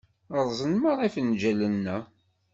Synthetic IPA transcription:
əɾˤzˤənməɾˤifnd͡ʒælənːæ

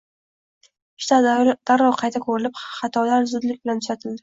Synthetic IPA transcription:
ʃt̪ʰad̪̥aɾɒwqʰɑjt̪ʰakʰɵɾɪlɪpχɑt̪ʰɒlaɾzʊd̪lɪk̚ʲbɪlant̪ʰʊʃat̪ʰɪld̪ɪ

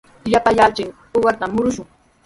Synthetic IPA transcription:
japajalt͡ʃɪŋ | oɢɑɾt̪amʊɾʊʃʊŋ

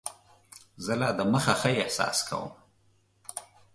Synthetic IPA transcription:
zəlɑd̪əməxaxəɪhsɑ̰skʰa̰wə̰m

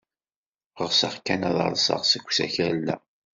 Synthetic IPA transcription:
ʁəʁsəʁkːænɑðˤɑ̰ɾˤsɑ̰ʁsəkʷːsæ̰çæɾlːæ̰

